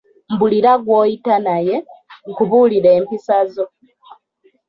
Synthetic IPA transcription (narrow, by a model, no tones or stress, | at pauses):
m̩buliɾaɡwoːitanajeŋkuβuːliɾeːmpisazo̞